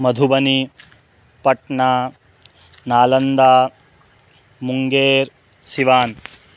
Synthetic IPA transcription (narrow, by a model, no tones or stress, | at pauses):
mɐd̪ʱubɐni | pɐʈɳaː | naːlɐnd̪aː | muŋɡeːɾ | siʋaːn